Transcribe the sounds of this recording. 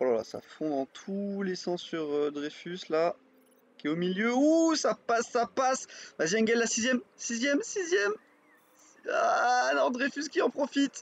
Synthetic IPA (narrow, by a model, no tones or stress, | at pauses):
alala̰sa̰fɔ̃d̪ɑ̃t̪ʰulesɑ̃sːyʁød̪ʁefysla | kʲiɛomiljøusapasːapaslazjɛnɡɛllːasizjɛmsizjɛmsizjɛm | anɔ̃d̪ʁefyskʲiɑ̃pχɔfit̪